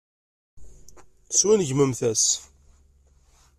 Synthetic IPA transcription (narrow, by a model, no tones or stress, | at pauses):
swænʝməmθæs